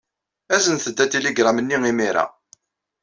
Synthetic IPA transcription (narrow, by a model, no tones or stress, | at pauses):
æzənθəd̪ːæt̪ːiliɡɾˤamənːiŋimiɾa̰